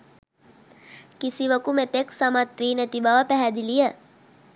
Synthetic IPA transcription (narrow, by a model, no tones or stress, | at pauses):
kisiʋəkumet̪eksamat̪ʋiːnet̪ibaʋəpæɦæd̪ilijə